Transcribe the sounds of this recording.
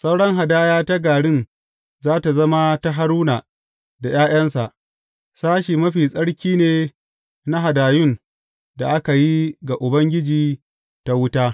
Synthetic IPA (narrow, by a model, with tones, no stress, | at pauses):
sa˦wɽɐ˦ŋɦa˨daː˦jaː˦ta˦ɡaː˨ɽɪ˦˨n | zaː˦ta˨zɐ˦ma˦ta˦ɦa˦ɽuː˦naː˨ | da˨j̰aː˦j̰ɐ˦nsa˨ʔ | saː˦ʃiː˨mɐ˦ɸiː˨sʼɐ˦ɽkʲiː˦neː˨ | na˦ɦa˨daː˨jʊ˦˨n | da˨ʔa˦ka˨ji˦ɡa˨ʔʊ˨bɐ˦ŋɡʲɪ˦d͡ʒiː˨ | ta˦wʊ˦taː˦